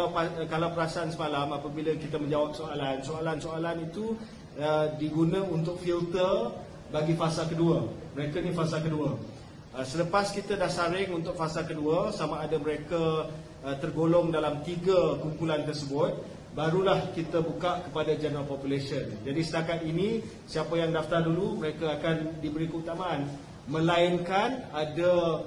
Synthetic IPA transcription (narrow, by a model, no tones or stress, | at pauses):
apakalawpəɾasaʔansəmalamapabiləkit̪aməɲd͡ʒawap̚soalansoalansoalanit̪u | ədiɡunãunt̪ʊk̚filt̪ər | baɡifasalkəduəməɾekanĩfasalkəduə | əsələpaskit̪adahsaɾɪŋunt̪ʊk̚fasalkəduəsamãːdaməɾeka | ət̪ərɡolɔŋdalamt̪iɡakumpulant̪ərsəbʊt̪̚ | baɾulahkit̪abukaʔkəpadad͡ʒanapɔpulesiənd͡ʒadisət̪akat̪̚inĩ | siapajaŋdaft̪arduluməɾekaakandibəɾikəut̪amãan | mə̃laiŋkanada